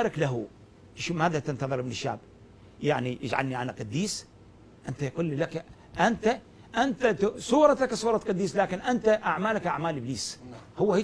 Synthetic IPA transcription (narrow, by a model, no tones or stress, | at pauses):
ɾɪklaɦu | ʔʃumaːðat̪ɪnt̪ɑðˤɨɾmɪnɪʃːa̰ːb | jaʕnijɪd͡ʒʕa̰lniʕanaqɑd̪ːiːs | ʔɪnt̪ajquːlːilak | ʔant̪a | ʔant̪at̪sˤuːɾˤɑt̪aksˤuːɾˤɑt̪qɑd̪ːiːslaːkɪnʔant̪aʔaʕmaːlakʔaʕmaːlʔɪbliːshʊwːah